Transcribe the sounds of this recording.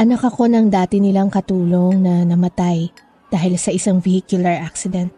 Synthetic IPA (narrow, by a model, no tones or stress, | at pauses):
ʔɐnɐkɐko̞nɐŋd̪aːt̪ɪnɪlaŋkɐt̪uːlo̞ŋnɐnɐmɐt̪aj | d̪̥aːhɪlsɐʔɪsaŋvɪhiːkjʊlɐɹʔak̚sɪd̪ɛnt̪̚